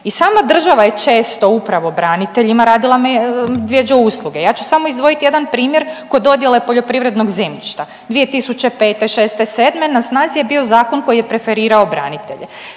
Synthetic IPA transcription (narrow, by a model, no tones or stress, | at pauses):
isaːmad̪r̩ʒaʋajet͡ʃeːst̪o̞upɾaʋobɾaːnit̪eʎimaɾaːd̪ilˠamed̪ʋjed͡ʒouslˠuɡe̞jaːt͡ʃu̥samo̞izd̪ʋo̞jit̪ijed̪anpɾiːmje̞ɾko̞d̪o̞d̪jelepo̞ʎo̞pɾiʋɾe̞d̪noɡzemʎiʃt̪a | d̪ʋije̞t̪isut͡ʃe̞peːt̪eʃeːst̪eseːd̪menasnaːzije̞bio̞zaːko̞nko̞jijepɾe̞fe̞ɾiːɾao̞bɾa̰ːnit̪e̞̰ʎe